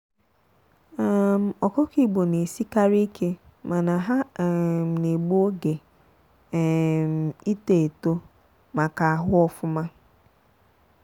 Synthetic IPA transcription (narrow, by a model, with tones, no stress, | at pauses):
a˦˨m̩˨ɔ˨kɔ˦ki˦˨ɡ͡bo˨ne˨si˦ka˦ɾi˦i˦kʰe˦ | ma˨na˨ɦa˦˨m̩˨ne˨ɡ͡bo˦o˦ɡe˨ | m̩˨i˦te˨e˨to˦ | ma˨ka˨a˨ɦʊ˦ɔ˦fʊ˦ma˦